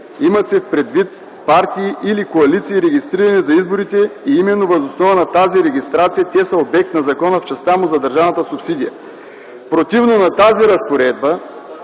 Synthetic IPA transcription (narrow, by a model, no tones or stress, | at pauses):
imɐt̪sɛfpɾɛd̪vit̪̚ | paɾt̪iːʔilikoɐlit̪siːɾɛɡʲist̪ɾiɾɐnɛzɐizboɾit̪ɛiimɛnːovɐzosnɔvənɐt̪aziɾɛɡʲist̪ɾat̪sijət̪ʲɛsəobɛk̚t̪nɐzɐkɔnəft͡ʃɛst̪amʊzɐd̪ɐɾʒavnɐt̪əsʊpsid̪ijɐ | pɾot̪ivnonɐt̪aziɾɐspoɾɛd̪̚bə